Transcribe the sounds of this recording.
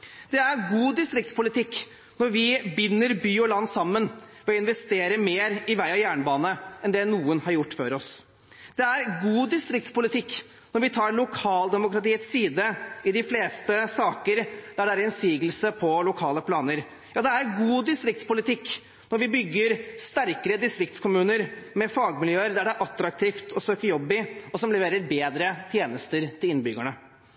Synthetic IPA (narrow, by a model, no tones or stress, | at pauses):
d̪̥ɛæɾɡuːd̪ɪst̪ɾɪkt̪spʊlɪt̪ʰɪkː | nɔɾʋɪbʏnːəɾbyːɔlɑnːsɑmːənʋɛɔɪnʋɛst̪eːɾəmeːɾɪʋæɪɑʋjæːɳəbɑːnəɛnd̪ɛnuːənhɑɾjʊʈːføːɾɔs | d̪̥ɛæɾɡuːd̪ɪst̪ɾɪk̚t̪spʊlɪt̪ɪkː | nɔɾʋɪt̪ʰɑːɾlʊkʰɑːld̪ɛmʊkɾɑt̪iːət̪siːd̪əɪd̪ɪfleːst̪əsɑːkəɾd̪̥æɖɛæɾɛnsiːɡəlsəpʰɔlʊkʰɑːləpʰlɑːnəɾ | jɑːd̪ɛæɾɡuːd̪ɪst̪ɾɪk̚t̪spʊlɪt̪ʰɪkː | nɔɾʋɪbʏɡːəɾst̪æɾkəɾəd̪ɪst̪ɾɪk̚t̪skʊmʉːnəɾmɛfɑːɡmɪljøːəɾd̪æɖɛɾʔɑt̪ːɾɑk̚t̪ʰiːft̪ʰɔsøːkəjɔbːɪɔsɔmlɛʋeːɾəɾbeːd̪ɾət̪ʰjeːnəst̪əɾt̪ʰɪlɪnbʏɡəɳə